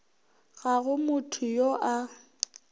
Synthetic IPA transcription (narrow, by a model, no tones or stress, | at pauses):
ɣaɣʊmʊtʰʊjoʔa